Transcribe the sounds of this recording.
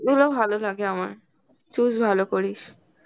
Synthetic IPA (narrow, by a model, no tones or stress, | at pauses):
ɡulobʱalolaɡeama̰ɹ | t͡ʃusbʱalokoɹiʃ